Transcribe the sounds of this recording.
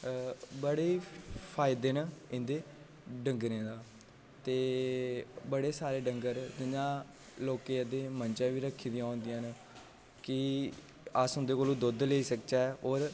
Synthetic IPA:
bəɽeːpʰaːɪd̪eːnːɪ̃nd̪eː | ɖəŋɡɾẽːd̪aː | t̪eː | bəɽeːsaːɾeːɖəŋɡəɾd̪ɪnãː | loːkeːəd̪eːmənd͡ʒãːʋiːɾəkʰːiːd̪ɪjãːõːnd̪ɪjãːn | kɪ | əsɦʊnd̪eːkoːlõːd̪ʊd̪leːiːsəkt͡ʃaoːɾ

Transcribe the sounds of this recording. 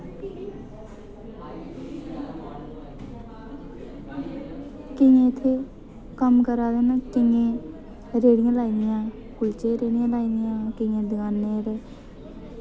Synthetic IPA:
kɪjãːɪt̪ʰːeː | kəmkəɾaːɡeːnãːt͡ʃɪŋẽː | ɾeːɽɪjãːlaːiːd̪ɪjãː | kʊlt͡ʃeːɾeːɽɪjãːlaːiːd̪ɪjãːkɪjãːd̪ɡaːnːẽːɾɛː

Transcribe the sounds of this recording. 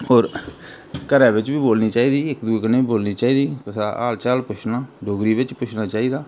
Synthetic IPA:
oːɾ | kəɾɛ̃ːbɪt͡ʃbiːboːlniːt͡ʃaːiːd̪iːɪkd̪uːiːkənẽːboːlniːt͡ʃaːiːd̪iːkʊsaːʔa̰ːlt͡ʃaːlpʊt͡ʃʰnaːɖoːɡɾiːbɪt͡ʃpʊt͡ʃʰnaːt͡ʃaːiːd̪aː

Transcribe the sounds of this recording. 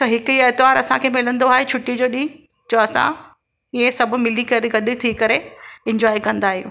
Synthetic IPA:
t͡ɕʰɐɦɪkʊiːet̪ɪʋaːɾɐsãkʰeːmɪlə̃nd̪oaːɦet͡ɕʰʊʈːid͡ʑoːɗĩ | d͡ʑoːɐsã̰ | iẽsɐbʱʊ̆mɪlikɐɾeɡɐɗ̆t̪ʰikɐɾeɪ̃ɲd͡ʑɔːikɐ̃nd̪aːɦijṵ̃ː

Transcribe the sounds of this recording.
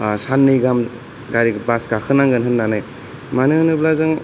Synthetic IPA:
sanːɯjɡam | ɡaɾibasɡakʰɯnaŋɡɯnɦɯnːanɯj | manɯŋnɯblazaŋ

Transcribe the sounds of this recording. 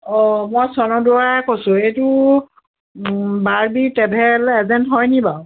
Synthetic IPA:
ɔmɔjsɔnɔduɹakɔsʊ̃ejtu | baɹbitɛbʱɛlɛzɛntɦɔjnibaw

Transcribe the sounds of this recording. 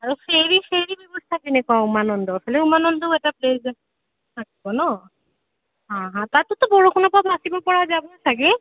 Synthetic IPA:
aɹɔseɹiseɾibɛbɔst̪ʰakinekɔaumanɔnd̪ɔafʰaleumanɔnd̪ɔɛtaplez | t̪ʰakibɔnɔ | ɦãɦãt̪at̪ut̪ɔbɔɹokʰɔnɔbabasibɔpɔɹad͡ʒabɔt̪ʰake

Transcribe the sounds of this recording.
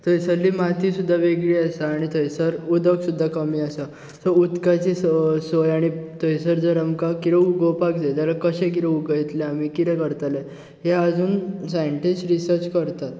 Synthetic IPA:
t̪ojsəɾlːiːmat̪iːsud̪ʱːaʋeɡɭiasaːɽ̃it̪ʰojsəɾud̪əksud̪ʱːakəmiːasa | səut̪kat͡ɕisojaɽ̃it̪ojsəɾd͡zəɾəmkakiɾeuɡowpakd͡zet̪jalakəɕẽk̬iɾeuɡəjt̪leam̤ikit̪ɛ̃kəɾt̪ale | ɦeəd͡zuːnsajɳʈisʈɾisəɾt͡ɕkəɾt̪at̪

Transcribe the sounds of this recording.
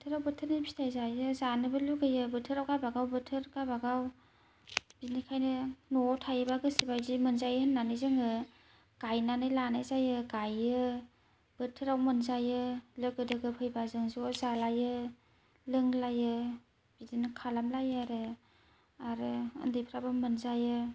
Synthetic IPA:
btʰɯɾawbɯtʰɯɾnɯpʰi̥tʰajzajɯzanɯbɯluɡɯjɯbɯtʰɯɾawkabaɡawbɯtʰɯɾkabaɡaw | b̥inikʰajnɯnɔtʰajɯbaɡɯsibajzimɯnzajhɯnːanɯjzɯŋɯ | ɡ̥ajnanɯjlanajzajɯɡajɯ | b̥ɯtʰɯɾawmɯnzajɯlɯɡɯdɯɡɯpʰɯjbazɯŋzzalajɯ | lɯŋlajɯ | bidinɯkʰalamlajaɾɯ | aɾɯɯ̰ndɯjpʰɾabɯmɯnzajɯ

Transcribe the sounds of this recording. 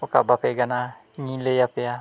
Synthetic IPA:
oka̰bapeɡana | ŋilejapea

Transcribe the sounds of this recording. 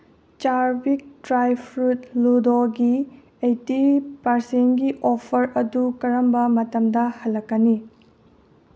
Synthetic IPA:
t͡ʃaɾbik̚dɾajpʰɾut̚ludoɡi | ejtipɐɾsenɡiʔopʰɐɾɐdukɐɾɐmbɐmɐtɐmdɐhɐlːɐkːɐni

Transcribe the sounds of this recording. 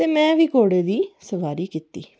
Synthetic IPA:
t̪eːmɛ̃ːʋiːkoːɽeːd̪iːsəʋaːɾiːkit̪ḭː

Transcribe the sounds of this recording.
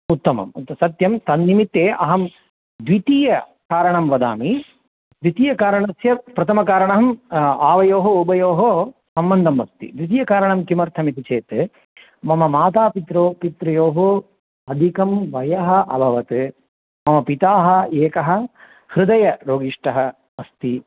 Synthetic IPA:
ut̪ːɐmɐ̰mt̪sɐt̪jɐmt̪ɐnnimit̪ːeːʔɐ̰ɦɐm | d̪ʋit̪iːjɐ | kaːɾɐɳɐmʋɐd̪a̰ːmi | d̪ʋit̪iːjɐkaːɾɐɳɐsjɐpɾɐt̪ʰɐmɐkaːɾɐɳɐɦɐmaːʋɐjoːɦɐubʱɐjoːɦosɐmbɐnd̪ʱɐmʋɐp̚t̪ḭd̪ʋit̪̬iːjɐkaːɾɐɳɐmkimɐɾt̪ʰɐmit̪it͡ʃeːt̪ɨ | mɐmɐmaːt̪aːpit̪ɾoːpit̪ɾɐjoːɦo | ɐd̪ʱikɐmʋɐjɐɦɐ̆ʔɐbʱɐʋɐt̪ɨ | mɐmɐpit̪aːɦɐ̆eːkɐɦɐ̆ | hɾɨd̪ɐjɐɾoːɡiʂʈɐɦɐ | ɐst̪i

